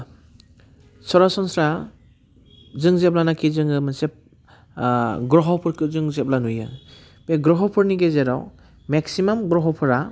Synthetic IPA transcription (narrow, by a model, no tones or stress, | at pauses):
sɔɾasɔnsɾa | zɯŋzep̚lanakʰizɯŋɯmasep̚ | ɡɾɔɦɔwpʰɯɾkʰɯzɯŋzep̚lanujɯ̰ | beɡɾɔɦɔwpʰɯɾniɡezeɾa̰w | meksimamɡɾɔɦɔpʰɯɾa